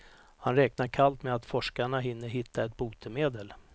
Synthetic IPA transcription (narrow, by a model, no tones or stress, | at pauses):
hanɾɛːknaɾkʰalt̪mɛat̪fɔʂkaɳaɦɪnːəɾɦɪt̪ʰːaɛt̪̚buːt̪ʰəmeːd̪əl